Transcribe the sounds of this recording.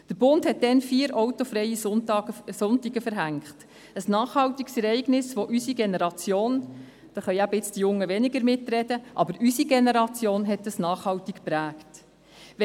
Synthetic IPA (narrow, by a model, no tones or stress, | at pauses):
d̥əɾb̥ʊndhɛt̚d̥ɛnfiːəɾʔɔwtofɾɛji | sʊntiɡəfəɾɦæŋkχt | əsnɑːχhɑwtiɡsɛɾɛɪɡnɪsʋoʔysiɡenɛɾɑt͡sjoːn | d̥ɑːχœɪæbɪt͡sd̥ijʊŋːəʋɛnɪɡəɾmɪtɾɛdəʔɑbəɾysiɡenɛɾɑt͡sjoːnɦɛtːəsnɑːχhɑwtikpɾæːkt | ʋɛ